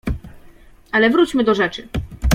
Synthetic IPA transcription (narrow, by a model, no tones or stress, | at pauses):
alɛvɾut͡ɕmɘd̪ɔʐɛt͡ʂɘ